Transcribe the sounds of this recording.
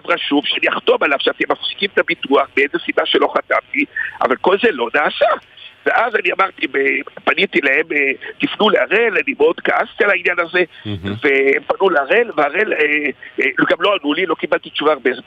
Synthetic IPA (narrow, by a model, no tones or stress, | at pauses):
avʁaʃuvʃeaniaχt̪o̞malav̥ʃeat̪emːafsi̥kimet̪abit̪uaχbeezesibaʃe̞lo̞χat̪amt̪iʔa̰valko̞lze̞lo̞naːsaveʔazaniamaʁt̪ibepanit̪ilaemet̪ifnuleaʁelanimeo̞d̪kaast̪ialainjanaze̞veempanuleaʁelveaʁele | ɡamlo̞anulilo̞kibalt̪it͡ʃuvaːʁbeze